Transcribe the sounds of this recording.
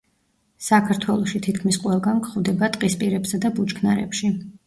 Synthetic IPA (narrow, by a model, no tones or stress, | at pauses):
sakʰaɾt̪ʰwɛlˠɔʃit̪ʰit̪ʰkʰmisqʼwɛlˠɡankχvd̪ɛbat̪ʼqʼispʼiɾɛpsad̪abut͡ʃkʰnaɾɛ̰pʃi